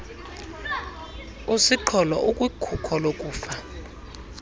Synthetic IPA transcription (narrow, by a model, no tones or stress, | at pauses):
usiǃʰɔlɔ̰ʔukʼwikʰukʰɔlokʼuːfa